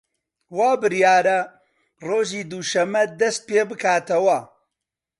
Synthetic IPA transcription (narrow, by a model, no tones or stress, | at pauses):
waːbɨɾjaːɾɐ | roːʒiːd̪uʃɐmːɐd̪ɐst̪̚peːbɨkʰaːt̪ɐwɐ